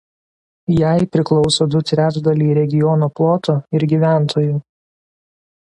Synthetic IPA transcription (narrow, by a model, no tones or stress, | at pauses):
jæˑɪpʲɾʲɪklˠɔʊsoːd̪ʊt̪ʲɾʲæd͡ʒd̪ɐlʲiːɾʲɛɡʲɪjɔnoːplˠɔːt̪oːɪɾɡʲiːʋʲæˑnt̪ʰoːjuː